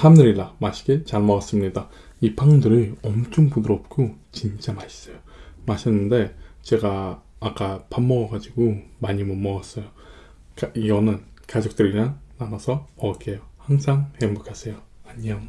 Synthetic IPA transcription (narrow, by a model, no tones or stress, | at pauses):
hamnɯɾiɭːamaɕʰi̥ɡe̞t͡ɕaɭmʌʌs͈ɯmɲida | ipʰaŋdɯɾɯɭʌmt͡ɕ͈ʰoŋpudɯɾʌp̚k͈ʰot͡ɕint͡ɕ͈amaɕʰi̥s͈ʌjo | maɕʰinːɯnde̞t͡ɕe̞ɡaːk͈apamːʌɡʌɡad͡ʑiɡomaɲimʌmːʌas͈ʌjo | kiɡʌnɯnkad͡ʑok̚t͈ɯɾinanːanʌsʰʌʌk͈ʰe̞johaŋsʰaŋhembokʰasʰe̞joaɲʌ